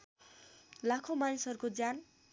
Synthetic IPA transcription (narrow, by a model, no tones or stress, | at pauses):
lakʰomanisɦʌɾukod͡zan